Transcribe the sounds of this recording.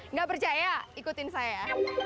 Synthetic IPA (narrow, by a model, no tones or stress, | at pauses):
ŋɡapərt͡ʃajaikut̪ɪnsaja